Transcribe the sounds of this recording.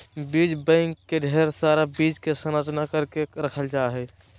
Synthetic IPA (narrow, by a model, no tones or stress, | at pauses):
biːd͡ʒbə̃ɪŋkːeɖʱɛːɾsaːɾabiːd͡ʒkesənad͡ʒnakəɾkeɾəkʰəld͡ʒaːɦɛ